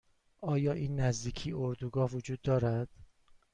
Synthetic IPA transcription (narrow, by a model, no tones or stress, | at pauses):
ʔɒːjɒːʔiːnːæzd̪iːcʰiːoɾd̪uɡɒːhvod͡ʒuːd̪ːɒːɾæd̪̥